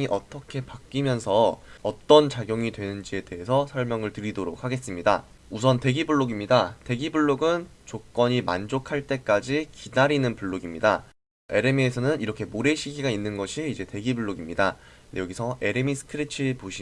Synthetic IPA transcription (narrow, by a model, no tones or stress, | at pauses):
iʔʌt͈ʌkʰe̞pak̚k͈imjʌnsʰʌːt͈ʌnt͡ɕaɡjoŋidwe̞nɯnd͡ʑie̞de̞ɦe̞sʰʌsʰʌɭmjʌŋɯɭtɯɾidoɾok̚ʰhaɡe̞s͈ɯmɲida̰ | usʰʌnte̞ɡibuɭːoɡimɲidate̞ɡibuɭːoɡɯnt͡ɕok͈ʌɲima̰nd͡ʑokʰaɭt͈e̞k͈ad͡ʑikidaɾinɯnpuɭːoɡimɲida | e̞ɾe̞miesʰʌnɯniɾʌkʰe̞moɾe̞ɕʰiɡiɡainːɯnɡʌɕʰiːd͡ʑe̞te̞ɡibuɭːoɡimɲidajʌɡisʰʌʔe̞ɾemisʰɯ̥kʰɯɾit͡ɕʰipoɕʰi